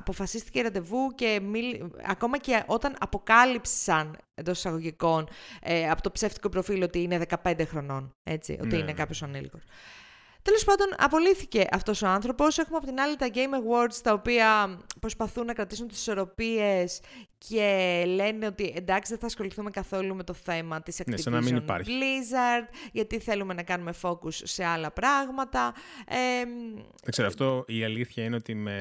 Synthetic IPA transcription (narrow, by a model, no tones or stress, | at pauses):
ɐpo̞fɐsist̪i̥ceɾɐd̪e̞vuce̞miɐ̰ko̞mɐce̞ʔo̞t̪ɐnɐpo̞kɐlipssɐnend̪oi̥sɐɣo̞ʝiko̞nɐpo̞t̪o̞pse̞ft̪i̥ko̞pɾo̞filo̞t̪iineðe̞kɐpe̞nd̪exɾo̞no̞ne̞̰t͡sḭʔo̰t̪iinekɐpço̞sɐnilḭko̞s | t̪e̞lo̞spɐnd̪o̞nɐ̰po̞liθice̞ʔɐft̪o̞so̞ɐnθɾo̞po̞se̞xumeɐpo̞t̪inɐlit̪ɐɟe̞jmɐɣwo̞ɾd̪st̪ɐopiɐpɾo̞spɐθunːɐkɾɐt̪isunt̪isi̥so̞ɾo̞pies | ce̞le̞neo̞t̪iʔe̞nd̪ɐksiðeθɐːsxo̞liθumekɐθo̞lume̞t̪o̞θe̞mɐt̪isɐkneisenɐminina̰ɾlizɐɾd̪ʝɐt̪iθe̞lume̞nɐkɐnume̞fo̞kusːe̞ɐlɐpɾɐɣmɐt̪ɐem | ɐkseɾo̰ɐft̪oiɐliθçɐineot̪ime